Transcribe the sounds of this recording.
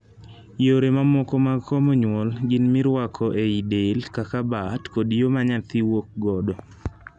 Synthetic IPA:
joɾemamɔkɔmakɔmoɲwɔlɡɪnmɪɾwakʰɔʔeidelkakabatkodjomaɲat̪iwok̚ɡɔdɔ

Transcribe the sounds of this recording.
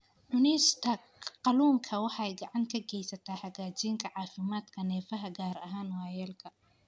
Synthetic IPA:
ʕʊnɛst̪ʰɐ | qɑluːŋkʰɐwɑħɑjɡɑʕɑŋkʰɐɡɛjsɐt̪ʰaːħɑɣaːt͡ʃiːŋkʰɐʕɑːfɪmaːd̪kʰɐnɛːfɐɦɐɡaːɾɐ̰ɦaːnwɑːjɛːlkʰɐ

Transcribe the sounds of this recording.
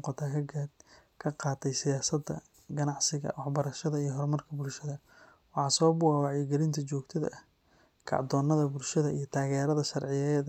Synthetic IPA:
qɑt̪ʰaːkʰɐ | kʰɐqɑːt̪ʰɛjsɪjaːsɐd̪ːɐ̰ | ɡɐnɑʕsɪɣɐ̰wɑħbɐɾɐʃɐðɐijɞɦɔrmɐrkʰɐbʊlʃɐðɐ | wɑħɑːsɔːbʊɣawɑʕjɛɡɛlɪnt̪ʰɐt͡ʃɔːɡt̪ʰɐðɐ̰ʔ | kʰɑ̰ʕd̪ɔːnːɐðɐbʊlʃɐðɐijɞt̪ʰaːɣɛːɾɐðɐʃɑrʕɪjɛð

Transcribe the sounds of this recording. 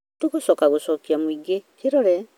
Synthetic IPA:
tuɡɔsɔkaɡusokiamuiɡekiɾɔɾe

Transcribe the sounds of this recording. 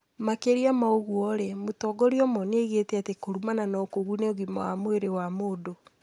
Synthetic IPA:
makeɾiamaoɣwɔɾemotɔɡɔɾiɔmɔneiɣetɛatekoɾumananɔkoɣuneoɣima̰wamoeɾewamoːdo

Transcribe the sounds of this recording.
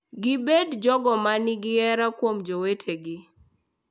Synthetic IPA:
ɡɪbedd͡ʒɔɡɔmanɪɡɪɛɾakwomd͡ʒowetʰeɡɪ

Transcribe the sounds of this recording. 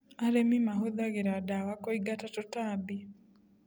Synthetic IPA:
aɾemimaɦoðaɣeɾadawakoiɡatatotabi

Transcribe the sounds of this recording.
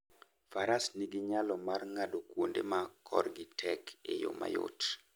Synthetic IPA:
faɾasniɡiɲalɔmarŋadokwondemakʰɔ̰rɡɪtʰɛkʰḛjo̰ma̰jo̰t

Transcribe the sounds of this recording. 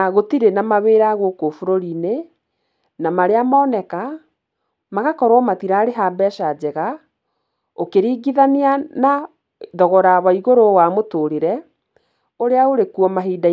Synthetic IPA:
ɣotiɾenamaβeːɾaɣokofoɾoɾine | namaɾeamaːnɛka | maɣakɔɾwɔmatiɾaɾeɦaːbɛʃad͡ʑɛɣa | okeɾiːɡiðaniana | ðɔɣɔɾaβaiɣoɾowamotoɾeɾɛ | oɾeaoɾekuɔmaɦiːda

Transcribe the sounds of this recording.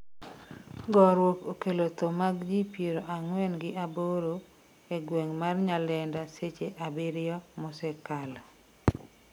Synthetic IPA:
ɡɔɾwokokelot̪omaɡd͡ʒipjeɾoʔaŋwɛnɡɪʔaboɾo | eɡweŋmarɲalɛndaset͡ʃeʔabɪɾɪjɔmɔsɛkala

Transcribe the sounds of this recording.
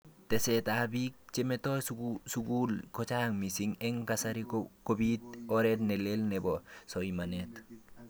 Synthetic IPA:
tesetabik̚t͡ʃemetossuɡulkot͡ʃaːŋmisiŋeŋkasaɾikkobitoɾetnelelnebosoimanet

